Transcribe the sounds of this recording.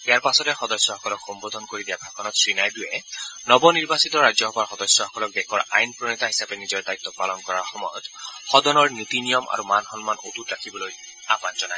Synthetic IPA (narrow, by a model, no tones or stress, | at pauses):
ijaɹpasɔtɛxɔdɔsːjɔɔkɔlɔkxɔmbod̪ʱɔnkoɹidijabʱakʰɔnɔtsɹinajdujɛnɔbɔniɹbasitɔɹazɔɦɔaɹxɔdɔsjɔhɔkɔlɔk̚dɛkʰɔɹa̰jnpɹɔnitaɦisapɛnizɔɹdajt̪ːɔpalɔnkɔɹaɹxɔmɔjɔtxɔdɔnɔɹnitinijɔmʔa̰ɹumanxɔnmano̰tutɹakʰibɔloj | apanzɔnaj